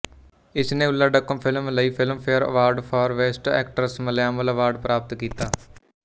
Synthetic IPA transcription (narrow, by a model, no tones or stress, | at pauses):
ɪsnẽːʊlːaːɖəkːəmpʰɪlmləiːpʰɪlmpʰeːəɾə̰ʋaːɾɖpʰaːɾʋeːsʈɛ̰ːk̚ʈəɾsməljaːmələʋaːɾɖpɾaːpət̪kiːt̪aː